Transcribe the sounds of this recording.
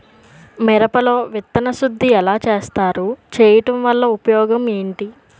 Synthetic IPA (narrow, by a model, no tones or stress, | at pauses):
mɛɾɐpɐlo̞ːʋit̪ːɐnɐsud̪ʱːiɛlaːt͡ʃeːst̪aːɾut͡ʃɛːjɐʈɐmʋɐlːɐupɐjɔːɡɐmeːɳʈi